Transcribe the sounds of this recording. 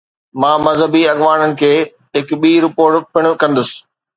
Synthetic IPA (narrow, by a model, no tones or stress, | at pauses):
mãːmɐzɦəbiɐɠʋaːnənɪ̆kʰeː | ɦɪkɓiːɾɪpoːɾʈpʰɪɽ̃ʊ̆kɐ̃nd̪ʊsɪ̥̆